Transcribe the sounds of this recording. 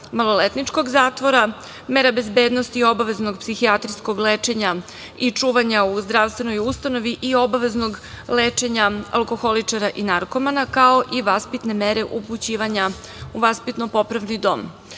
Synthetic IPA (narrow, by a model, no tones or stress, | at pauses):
malˠo̞let̪nit͡ʃko̞ɡzaːt̪ʋo̞ɾa | meɾabe̞zbe̞ːd̪nost̪io̞baʋe̞znoɡpsixiat̪ɾiskoɡleːt͡ʃe̞ɲa | it͡ʂuːʋaɲauzd̪ɾaʋst̪ʋe̞no̞just̪ano̞ʋiʔio̞baʋe̞zno̞ɡ | leːt͡ʃe̞ɲaa̰lko̞xo̞lit͡ʂaɾaʔinaɾko̞manakao̞ʔiʋaspit̪ne̞meɾe̞ʔuput͡ɕiːʋaɲa | uʋaspit̪nopo̞pɾaʋnid̪o̞̰m